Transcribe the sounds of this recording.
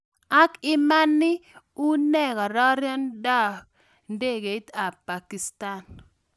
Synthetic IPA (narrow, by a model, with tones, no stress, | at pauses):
a˦kɪ˦ma˦nːɪ˦ | u˦nɛ˦ɡɔ˨ɾɔ˦ɾjɔ˦ndɔ˦k̚ | nde˦ɡe˨˦ta˨pa˨ki˨sta˦˨n